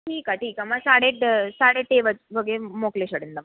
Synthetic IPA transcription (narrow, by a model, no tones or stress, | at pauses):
ʈʰiːkaʈiːkamasaɽeʈsaɽeʈeʋət͡sʋəɡemokleɕəɽend̪am